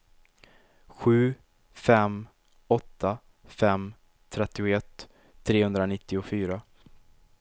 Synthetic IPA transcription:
ɧʉ̟ː | fɛm | ɔt̪ːa | fɛm | t̪ʰɾɛt̪ːɪʊɛt̪ʰː | ɾeːhɵnd̪ɾanɪt̪ːɪʊfyːɾa

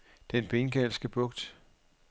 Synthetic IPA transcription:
d̥enb̥e̝nɡ̥ælsɡ̥əb̥ɔ̽ɡ̥d̥

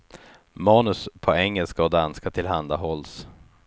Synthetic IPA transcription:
mɑːnɵspʰɔɛŋːɛlskaɔd̪anskat̪ʰɪlɦand̪aɦɔls

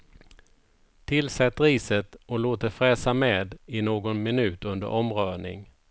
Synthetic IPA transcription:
t̪ʰɪlsɛt̪ːɾiːsət̪ɔloːt̪əɾfɾɛːsameːd̪ɪnoːɡɔnmɪnʉ̟ːt̪ɵnd̪ə̰ʔɔmɾœːɳɪ̰ŋ

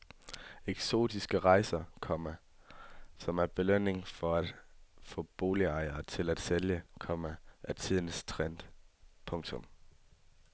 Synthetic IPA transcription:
eɡ̥so̝̰ːd̥isɡ̥əʁɑ̈ɪsɐkʰɒ̽mæ | sɒ̽mæɐb̥e̝løn̰e̝ŋfɒ̽æd̥fɔ̰̽ːb̥o̝ːliɑ̈ɪɐːt͡sʰe̝læd̥seljəkʰɒ̽mæʔæt͡sʰið̞̰ˠn̩st͡sʰʁɛn̰d̥pʰɔ̽ŋt͡sʰɔ̽m

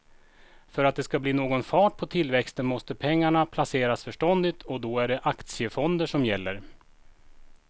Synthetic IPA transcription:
fœɾat̪̚d̪ɛskabliːnoːɡɔnfɑːʈ̚pʰɔt̪ʰɪlvɛkst̪ənmɔst̪əpʰɛŋːaɳapʰlaseːɾasfœʂʈɔnd̪ɪt̪ʰɔd̪ɔæɖɛʔakt̪sɪəfɔnd̪əʂɔmjɛlːəɾ

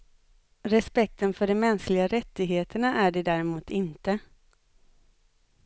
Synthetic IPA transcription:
ɾɛspɛk̚t̪ənfœɖɔmːɛnsklɪɡaɾɛt̪ːɪɡɦeːt̪ʰəɳaʔæɖɛd̪æːɾɪmuːt̪ɪnt̪ə

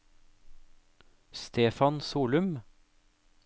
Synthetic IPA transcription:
st̪ʰeːfɑnsuːlʉm

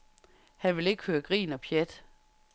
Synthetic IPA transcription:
hænʋe̝le̝ɡ̥ə̥høːɐɡ̥ʁḭːnɒ̽pʰjed̥

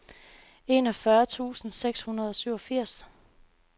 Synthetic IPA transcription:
e̝nɒfɶɐt͡sʰṵːsn̩seɡ̥shunɐð̞ˠɒ̽syʊ̰ɒ̽fiɐ̰s

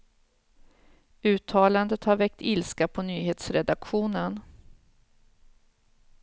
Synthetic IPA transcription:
ʉ̟ːt̪ʰɑːland̪ət̪haɾvɛk̚t̪ʰɪlskapʰɔnyːheːt̪sɾɛd̪akɧuːnən

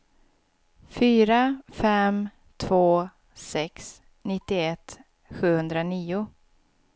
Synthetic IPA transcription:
fyːɾafɛm | t̪ʰv̥oː | sɛks | nɪt̪ːɪɛt̪ | ɧʉ̟ːhɵnd̪ɾaniːʊ

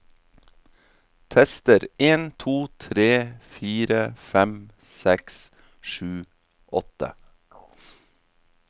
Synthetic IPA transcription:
t̪ʰɛst̪əɾeːnt̪ʰuːt̪ʰɾeːfiːɾəfɛm | sɛks | ʃʉː | ʔɔt̪ə̰

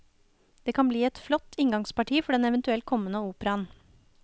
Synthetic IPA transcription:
d̪̥eːkʰɑnbliːɛt̪flɔt̪ʰːɪŋɡɑŋspɑʈʰiːfɔɖɛnɛʋənt̪ʉɛlt̪̚kʰɔmːənəuːpəɾɑn

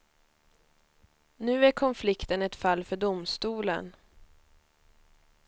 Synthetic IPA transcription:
nʉ̟ːæɾkʰɔnflɪkt̪ənɛt̪falːfœɖʊmst̪uːlə̰n

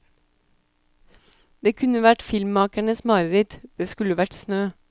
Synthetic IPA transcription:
d̪eːkʰʉnəʋæʈfɪlmmɑːkæɳəsmɑɾɾɪt̪d̪̥eːskʉləʋæʈsnøː

